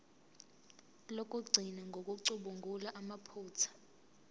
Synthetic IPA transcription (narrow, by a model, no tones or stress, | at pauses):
lok̬ʼuɡ͡ǀʱinaŋɡʱok̬ʼuǀuɓuŋɡʱulaʔamapʰuːt͡sʰḁ